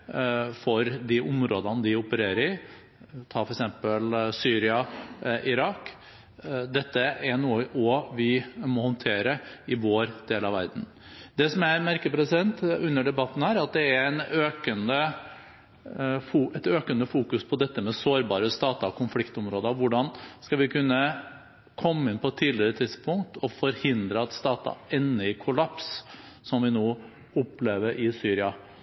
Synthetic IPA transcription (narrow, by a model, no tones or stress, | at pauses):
fɔɾd̪iʔʊmɾoːd̪ɑnd̪ɪʊpəɾeːɾəɾɪ | t̪ʰɑːfɔɾɛksɛmpəlsyːɾɪɑʔɪɾɑːk | d̪ɛt̪ːəʔæɳuːəʔɔʋɪmɔhɔnt̪ʰeːɾəɪʋoːɾd̪̥eːlɑʋæ̰ɾd̪n̩ | d̪ɛsɔmæmæɾkəpɾɛsɪd̪ɛnt̪ʉnːəɖɛbɑt̪ːn̩hæːɾɑt̪̚d̪ɛæɾɛnøːkənə | fuːɛt̪øːkənəfuːkʉspʰɔd̪ɛt̪ːəmɛsoːɾbɑːɾəst̪ɑːt̪ɑkʰʊnflɪkt̪ʊmɾoːd̪əɑʋʊɖɑnskɑʋɪkʰʉnːə | kʰɔmːəɪnpʰɔɛt̪ʰːiːd̪lɪɾət̪ʰɪd̪spʰʊŋkt̪ʰɔfɔɾhɪnd̪ɾəɑt̪st̪ɑːt̪ɑ̰ɛnːəɪkʰʊlɑps | sɔmʋɪnoː | ʊpːleːʋəɾʔɪsyːɾɪɑ